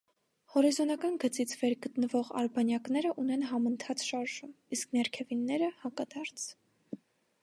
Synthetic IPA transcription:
hɔɾizɔnɑkɑnɡət͡sit͡sʰvɛɾɡət̪nəvɔʁɑ̰ɾbɑnjɑknɛɾəʔunɛnɦɑmənt̪ʰɑt͡sʃɑɾʒum | isknɛɾkʰɛvinːɛɾəhɑkɑd̪ɑɾt͡sʰ

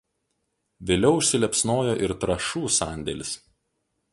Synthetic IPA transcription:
ʋʲeːlʲɛʊʊʃʲsʲɪlʲɛpsnoːjoːʔɪɾt̪ɾɐʃuːsɑˑnʲd̪ʲɛlʲɪs

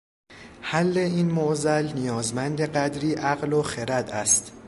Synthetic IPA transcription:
hælːe̞iːnmoʔzælnijɒːzmænd̪e̞ɢæd̪ɾiːʔæɣloxeɾæd̪æst̪

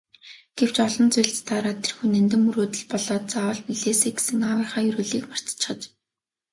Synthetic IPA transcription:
ɡ̥ew̥t͡ɕɔɮɞ̆nt͡sʊjɬt͡st̪ʰaːɾaːt̪ʰerxunænt̪ɘ̆mːuɾoːt̪ɘ̆ɮpɔɮɔːt̪̚t͡sawə̆ɮpiɮeːseːɡe̥sɘ̆ŋawiːχaːjɵɾuːɮiːkmar̥t͡s̪t͡ɕχə̆t͡ɕ

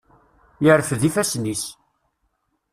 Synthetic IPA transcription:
jəɾəfðifæsnis

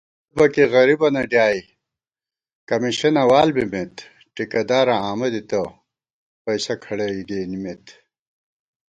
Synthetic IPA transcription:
bɐkiɣɐɾibɐnɐɖjaːi | kɐmiɕɐnɐwaːlbimet̪ | ʈikɐd̪aːɾɐaːmɐd̪it̪ɐ | pɐjsɐkʰɐɽɐiɡeːnimet̪

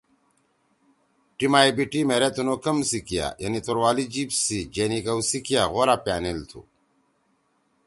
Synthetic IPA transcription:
ʈimaːibiʈimeːɾet̪unokɐmsikija̰jɐnit̪oɾwaːlid͡ʑiːpsid͡ʑeːnikɐusikijaɣoːɾapjaːnilt̪ʰṵ

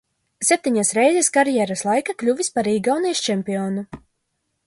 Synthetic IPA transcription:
sɛp̚ʲt̪ʲiɲasɾɛjzʲɛskaɾjɛɾaslˠajkaklʲuvʲispaɾiːɡawnijʃt͡ʃɛmpiɔnu

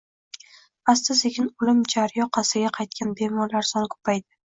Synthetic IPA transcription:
ast̪ɪseɡʲɪnʊlɪmd͡ʒaɾjɒqʰɑsɪɡʲaqʰɑjt̪̚kʲʰanbe̞mɒɾlaɾsɒnɪkʰɵ̥pʰajd̪ɪ

